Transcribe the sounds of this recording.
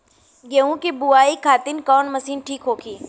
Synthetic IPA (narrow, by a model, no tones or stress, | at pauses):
ɡeːũkebʊaːikʰaːt̪ɪnkɔːnmɐsiːnʈʰiːkɦoːkʰiː